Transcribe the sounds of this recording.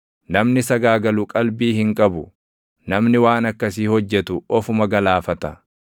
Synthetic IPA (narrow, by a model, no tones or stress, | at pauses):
nɐmnɪsɐɡaːɡɐlʊkʼɐlbiːhɪŋkʼɐbʊ | nɐmnɪwaːnɐkːɐsiːhɔd͡ʒːɛt̪ʊɔfʊmɐɡɐlaːfɐt̪ɐ